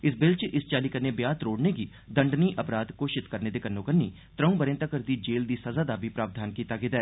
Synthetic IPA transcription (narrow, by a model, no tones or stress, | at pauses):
ɪsbɪlt͡ʃʔɪst͡ʃaːliːkəɾneːbjaːt̪ɾoːɽneːɡiː | d̪əɳɖniːʔəpɾaːd̪koːʃɪt̪kəɾneːd̪eːkənːõːkənːiː | t̪ɾəũːbəɾẽːnt̪aːkəɾd̪iːd͡ʒeːld̪iːsəzaːd̪aːbʱiːpɾaːʋd̪ʱaːnkiːt̪aːɡɪd̪ɛː